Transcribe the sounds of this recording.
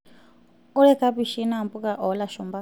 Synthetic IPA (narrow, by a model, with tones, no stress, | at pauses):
u˦ɺɛ˦kʰa˦pi˦˨ʃi˦na˦˨mbu˦kʼa˨ʔɔ˨la˨ʃɔ˨mba˦